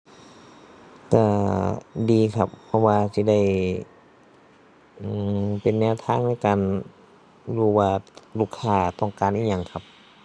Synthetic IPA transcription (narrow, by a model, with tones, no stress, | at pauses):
ka˧˩ | diː˨˧kʰa˧pʰːɔ˧˥waː˧si˧˦da˥˩j | ʔɯː˧˩pe˨nːɛː˧˨wt̪ʰaː˧˥˨ŋna˧˥˩kaː˨˧n | luː˧˩waː˧luː˧˩kʰːaː˧˩t̪ɔ˧˩ŋkaː˨nʔiː˧˩ɲa˧ŋkʰa˧p̚